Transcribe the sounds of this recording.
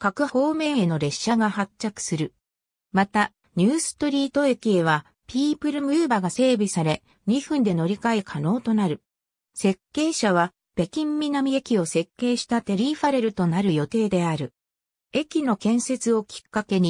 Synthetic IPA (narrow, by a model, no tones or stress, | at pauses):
kakɯ̟ho̞ːme̞ːeno̞ɾe̞ɕaɡahat͡ɕːakɯ̟̥sɨɾɯ̟ | mat̪a | ɲ̟ɨːsɨ̥t̪o̞ɾʲiːt̪o̞e̞kʲie̞βa | pʲiːpɯ̟ɾɯ̟mɯ̟ːbaɡase̞ːbʲisaɾe̞ | ɲ̟iɸɯ̟̃nd̪e̞no̞ɾʲikaekʰano̞ːt̪o̞naɾɯ̟ | se̞kːe̞ːɕaβ̞a | b̥e̞kʲĩmːʲinamʲie̞kʲio̞se̞kːe̞ːɕi̥t̪at̪e̞ɾʲiːɸaɾe̞ɾɯ̟t̪o̞naɾɯ̟jo̞t̪e̞ːd̪e̞aɾɯ̟ | e̞kʲino̞kẽ̞ɰ̃se̞t͡sɨo̞kʲi̥kːake̞ɲ̟i